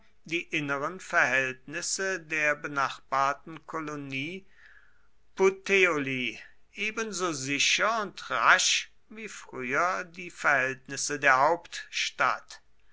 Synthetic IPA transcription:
diːʔɪnəʁənfɛɐhɛltnɪsədeːɐbənaχb̥aːɐtn̩kʰoloniː | poteoliː | ʔeːbənzoːzɪʃɐʊntʁaʃ | viːfʁ̥yːɐdiːfɛɐhɛltnɪsədeːɐɦaʊptʃta̰t

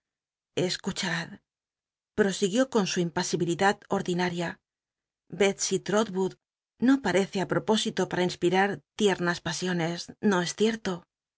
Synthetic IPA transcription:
e̞skut͡ʃað | pɾo̞siɣjo̞ko̞nsuimpasiβiliðaðo̞ɾðinaɾja | be̞t̪sit̪ɾo̞ðβuð | no̞paɾe̞θeapɾo̞po̞sit̪o̞paɾainspiɾaɾt̪je̞ɾnaspasjo̞ne̞sno̞e̞sθje̞ɾt̪o̞

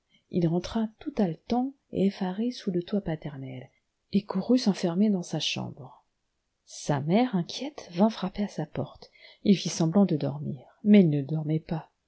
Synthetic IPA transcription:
ilʁɑ̃t̪χat̪ut̪alət̪ɑ̃ | ḛefaʁesulət̪wapat̪ɛʁnɛl | ekuʁysɑ̃fɛʁmed̪ɑ̃saʃɑ̰̃bʁ | samɛʁɛ̃kʲjɛt̪vɛ̃fχapeasapɔʁt̪ilfisɑ̃blɑ̃d̪əd̪ɔ̰ʁmiʁmɛilnəd̪ɔʁmɛpa

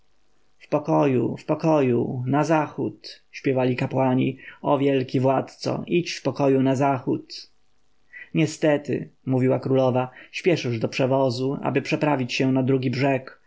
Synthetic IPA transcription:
fpɔkɔjufpɔkɔjunazaxut̪ | ɕpʲjɛvalʲikapwaɲḭɔvʲjɛlkʲivwat̪t̪sɔ̰ʔit͡ɕfpɔkɔjunazaxut̪ | ɲɛst̪ɛt̪ɘ̰muvʲiwakɾulɔvaɕpʲjɛʂɘʐd̪ɔpʂɛvɔzua̰bɘpʂɛpɾavʲit͡ɕɕɛnad̪ɾuɡʲibʐɛk

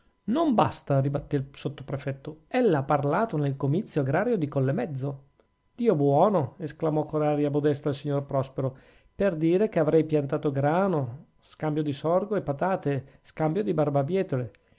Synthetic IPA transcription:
nomba̰st̪aribat̪ːesot̪ːo̥pɾefɛt̪ːoɛlːaapːarlaːt̪onelkomit̪sːjoaɡɾaːɾjod̪ikolːemɛd̪zːo | d̪̥iːobwɔːnoesklamɔkːoɾaːɾjabod̪ɛst̪alsiɲːorpɾɔspeɾo | perd̪iːɾekeavɾɛjpjant̪aːt̪oɡɾaːno | skambjod̪isɔrɡoepːat̪aːt̪e | skambjod̪ibarbabjɛːt̪ole

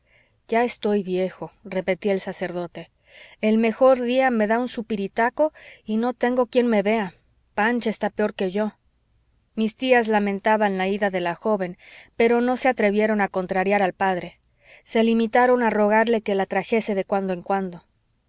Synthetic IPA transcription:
ʝae̞st̪o̞jβje̞xo̞re̞pe̞t̪ioelsase̞ɾðo̞t̪e̞ | e̞lme̞xo̞ɾðiame̞ðaunsupiɾit̪ako̞ino̞t̪e̞ŋɡo̞kje̞nme̞βe̞a | pant͡ʃest̪apeo̞ɾke̞ʝo̞ | mist̪iazlamẽ̞nt̪aβanlaiðaðe̞laxo̞βe̞npe̞ɾo̞no̞se̞at̪ɾe̞βje̞ɾo̞nako̞nt̪ɾaɾjaɾalpaðɾe̞ | se̞limit̪aɾo̞naro̞ɣ̞aɾle̞ke̞lat̪ɾaxe̞se̞ðe̞kwand̪o̞eŋkwand̪o̞

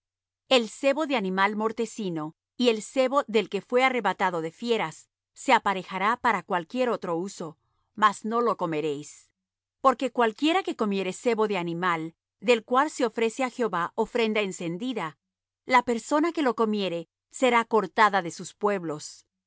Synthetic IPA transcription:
e̞lse̞βo̞ðeanĩmalmo̞ɾt̪e̞sino̞ | ie̞lse̞βo̞ðe̞lke̞fwe̞are̞βat̪aðo̞ðe̞fje̞ɾasː | e̞apaɾe̞xaɾapaɾakwalkje̞ɾo̞t̪ɾo̞uso̞ | mazno̞lo̞ko̞me̞ɾe̞js | po̞ɾke̞kwalkje̞ɾake̞ko̞mje̞ɾe̞se̞βo̞ðe̞animal | d̪e̞lkwalse̞o̞fɾe̞se̞axeo̞βaʔo̞fɾe̞nd̪aense̞nd̪iða | lape̞ɾso̞nake̞lo̞ko̞mje̞ɾe̞ | se̞ɾako̞ɾt̪aðaðe̞suspwe̞βlo̞s

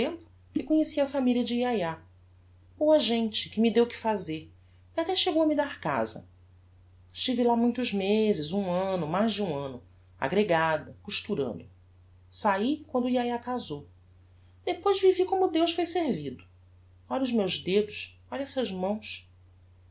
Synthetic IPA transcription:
t̪ẽmpʊ | kɪkõɲesiɐfamiliɐd͡ʒɪiaja | owɐʒẽnt͡ʃɪ̥kɪmɪd̪ewkɪ̥fazeɾ | iat̪ɛʃeɡowɐmɪd̪aɾka̰zɐ̰ | ʃt͡ʃivɪlamũj̃t̪ʊzmezɪzũɐ̃nʊmajzd͡ʒɪũɐ̃nʊ | a̰ɡɾeɡad̪ɐkuʃt̪uɾɐ̰̃nd̪ʊ | saikwɐ̃nd̪ʊiajakazow | d̪epojzvivikõmʊd̪ewsfojseɾvid̪ʊ̥ | ɔʎɐʊzmewzd̪ed̪ʊʃ | ɔʎɛsɐʒmɐ̃w̃s

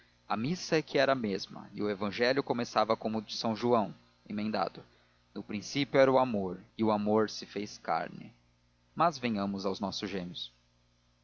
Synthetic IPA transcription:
ɐmisɐɛkɪɛɾɐmezmɐ̰ɪʊevɐ̃ʒɛlʲjʊkomesavɐkõmʊd͡ʒɪsɐ̃w̃ʒuɐ̃w̃ | ḛ̃mẽnd̪a̰d̪ʊ | nʊpɾĩsipjʊɛɾɐʊamoɾɪʊamoɾsɪfejska̰ɾnɪ̰ | mɐzvẽjɲɐ̃mʊzawznɔsʊzʒẽmjʊs

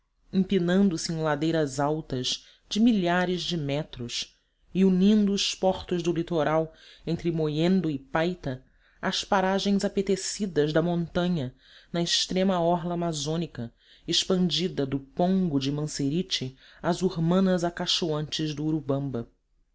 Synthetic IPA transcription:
ĩpinɐ̃nd̪ʊsɪẽlad̪ejɾɐzawt̪ɐz | d͡ʒɪmiʎaɾɪzd͡ʒɪmɛt̪ɾʊʃ | iunĩnd̪ʊːʃpɔχt̪ʊʒd̪ʊlit̪oɾawẽnt̪ɾɪmojẽnd̪ʊɪpajt̪ɐ | ɐspaɾaʒẽj̃zapet̪esid̪ɐzd̪ɐmõnt̪ɐ̃ɲɐ | nɐɪʃt̪ɾẽmɐɔɦlɐːmazõnikɐ | ɪʃpɐ̃nd͡ʒid̪ɐd̪ʊpõŋɡʊd͡ʒɪmɐ̃seɾit͡ʃɪ | ɐzuɾmɐ̃nɐzakaʃoɐ̃nt͡ʃɪzd̪ʊːɾubɐ̃mbɐ

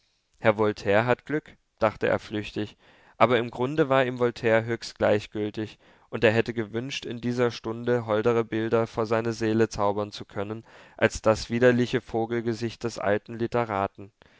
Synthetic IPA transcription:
hɛɐvɔltʰɛːɐɦatɡ̥lʏk | d̥aχtəʔḛːɐflʏçtɪç | ʔaːbɐɪmɡʁʊndəvaːɐɪmvɔltʰɛːɐɦøːçstɡ̥laɪçɡ̥ʏltɪç | ʔʊnteːɐɦɛtəɡəvʏnʃtɪndiːzɐʃtʊndəɦɔldəʁ̞əbɪldɐfoːɐzaɪnɐzeːlət͡saʊbɐnt͡sukʰœnənʔalsd̥asv̥iːdɐlɪçəfoːɡl̩ɡəzɪçt̚d̥ɛsʔa̰ltn̩lɪtəʁaːtn̩

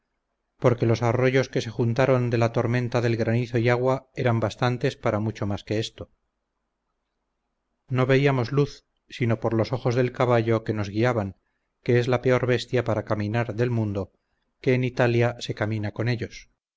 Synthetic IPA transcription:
po̞ɾke̞lo̞saro̞ʝo̞ske̞se̞xunt̪aɾo̞nd̪e̞lat̪o̞ɾmẽ̞nt̪aðe̞lɣɾaniθo̞iaɣwae̞ɾambast̪ant̪e̞spaɾamut͡ʃo̞maske̞est̪o̞ | no̞βe̞iamo̞zluθ | sino̞po̞ɾlo̞so̞χo̞zðe̞lkaβaʎo̞ke̞no̞zɣiaβaŋ | ke̞ezlape̞o̞ɾβe̞st̪japaɾakamĩnaɾðe̞lmũnd̪o̞ | ke̞ːnit̪aljase̞kaminako̞ne̞ʎo̞s

